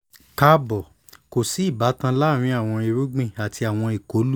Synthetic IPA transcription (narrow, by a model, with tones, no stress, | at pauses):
ka˧bɔ˨ | ko˨si˨˦i˦˨ba˨˦tã˧la˦˨ɾ̃ĩ˧˦a˦˨w̃ɔ̃˧i˧ɾu˨˦ɡ͡bĩ˦˨a˨tʰi˧a˨w̃ɔ̃˧i˨ko˨˦lu˦